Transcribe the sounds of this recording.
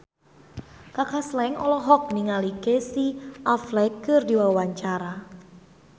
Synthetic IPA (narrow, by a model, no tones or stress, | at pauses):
kakʰaslɛŋɔlɔɦɔk̚niŋalikesiʔaflɛkɨrdiwawaɲt͡ʃaɾa